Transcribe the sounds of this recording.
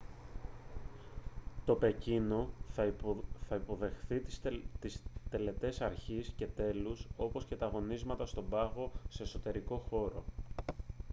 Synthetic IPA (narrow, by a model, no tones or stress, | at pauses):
t̪o̞pe̞cino̞ | θɐipo̞ðe̞xθit̪ist̪e̞le̞t̪e̞sɐɾçisce̞t̪e̞luso̞po̞sce̞t̪ɐɣo̞nizmɐt̪ɐst̪o̞bɐɣo̞se̞ːso̞t̪e̞ɾiko̞xo̞ɾo̞